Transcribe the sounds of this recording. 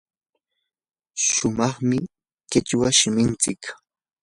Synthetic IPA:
ʃʊmɑχmɪ | kɪt͡ʃwaʃɪmɪnt͡sɪk

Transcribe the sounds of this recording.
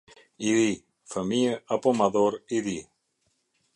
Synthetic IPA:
iði | fəmiəapomaðoɾiði

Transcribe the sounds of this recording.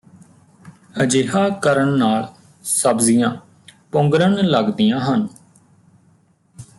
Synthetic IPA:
əd͡ʒeːɦaːkəɾəɳːaːl | səbzijãː | pʊ̃ŋɡɾənləɡd̪ijãːɦən

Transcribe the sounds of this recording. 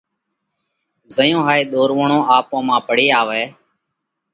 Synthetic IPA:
zəjõːɦaːeːɗ̪oːɾʋəɳõːʔaːpõːmãːpəɽeːaːʋɛː

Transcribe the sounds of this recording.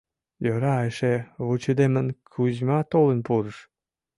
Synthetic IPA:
jøɾɑeʃeβut͡ɕed̪emənkʰuʑmɑt̪olənpuɾəʃ

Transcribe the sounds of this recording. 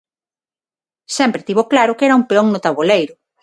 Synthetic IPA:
sɛmpɾet̪iβoklaɾʊkɛɾɐumpeɔŋnʊt̪aβolejɾʊ

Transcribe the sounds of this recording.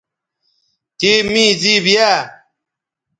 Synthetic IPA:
t̪imĩːzibija

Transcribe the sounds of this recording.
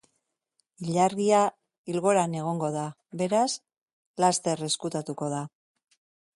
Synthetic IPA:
iʎaɾɣia | ilɣo̞ɾane̞ɣ̞o̞ŋɡo̞ða | βe̞ɾas | last̪e̞ɾe̞skut̪at̪uko̞ð̞a

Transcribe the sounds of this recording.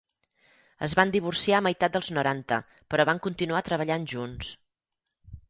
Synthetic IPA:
ə̰zβand̪iβursiaməjt̪at̪̚d̪əlˠznuɾant̪ə̰ | pəɾɔβaŋkunt̪inuat̪ɾəβ̞əʎanʒuns

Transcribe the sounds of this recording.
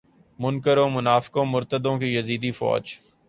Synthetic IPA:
mʊnkəɾõːmʊnaːfɪ̥kõːmʊɾt̪əd̪õkijɐziːd̪ifɔ̰ːd͡ʒ

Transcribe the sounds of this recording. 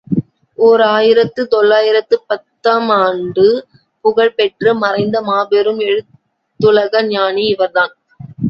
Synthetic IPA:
oːɾaːjɪɾɐt̪ːɯt̪ɔɭːaːjɪɾɐt̪ːɯpɐt̪ːaːmaːɳɖɯ | pʊɣɐɭpɛʈrɯmɐɾɐɪnd̪ɐmaːbɛɾɯmɛɻɯt̪ː | ɯɭɐɣɐɲaːniɪʋɐɾðaːn

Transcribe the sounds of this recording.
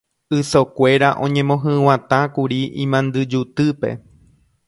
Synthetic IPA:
ɨsokʷe̞ɾaʔõ̞ɲẽ̞mõ̞ɦɨ̃w̃ãt̪ãkuɾiĩmãnd̪ɨd͡ʒut̪ɨpe̞̰

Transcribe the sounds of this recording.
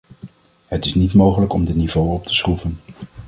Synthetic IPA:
ɦətɪsnitmowχələkɔmdənivowɔp̚tʰə̥sχuvən

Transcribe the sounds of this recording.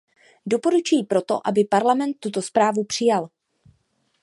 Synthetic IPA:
do̞po̞ɾut͡ʃujiːpɾo̞t̪o̞̰ʔabɪpaɾlamɛnt̪ːut̪o̞spɾaːvupr̥ɪjal

